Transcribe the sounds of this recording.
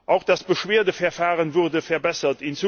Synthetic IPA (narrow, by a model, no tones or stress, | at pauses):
ʔaʊxd̥asb̥əʃweːɐdəfɛɐfaːʁənvʊʁdəfɛɐbɛsɐtint͡su